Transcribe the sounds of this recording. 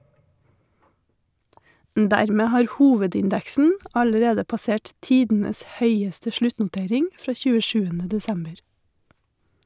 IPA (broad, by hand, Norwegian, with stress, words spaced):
m ˈdæɾmeː ˈhɑːɾ ˈhuːʋədɪnˌdɛksn̩ ˈɑləɾeːdə pɑˈseːʈ ˈtiːdn̩əs ˈhœʏəstə ˈʃlʉtnʊˌteːɾɪŋ ˈfɾɑː çʉːəˈʃʉːənə dɛˈsɛmbəɾ